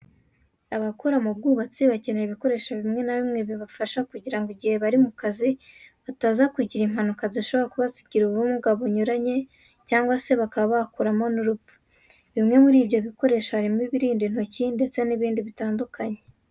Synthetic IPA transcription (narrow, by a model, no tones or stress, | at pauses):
aβakoɾamub̚ɡuːβat͡siβacineiβiko̞ɾe̞ːʃaβimŋe̞naβimŋe̞βjoβafaʃakuɟiɾaŋɡoɟihe̞βaɾimukaziβataːzakuɟiɾim̥hanukaziʃo̞βo̞ɾakuβasi̥ɡiɾuβɾumuɡaβoɲuɾaɲe̞ | caːŋɡwase̞βakaβaβakuɾamo̞nuɾupu̥ | βimŋe̞muɾiːbjo̞βiko̞ɾe̞ːʃaβaɾimiβiɾiːndin̥ocindet͡seniβiːndiβitaːndukʰaɲe̞